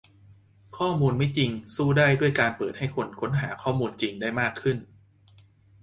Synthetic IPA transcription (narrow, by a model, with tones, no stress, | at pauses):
kʰɔː˥˩muː˧nma˦˥˩jt͡ɕi˧ŋsuː˥˩daː˥˩jdu˥˩əjkaː˧npɤː˨˩t̪̚ha˥˩jkʰo˧nkʰo˦˥nɦaː˩˦kʰɔː˥˩muː˧nt͡ɕi˧ŋdaː˥˩jmaː˥˩kʰːɯ˥˩n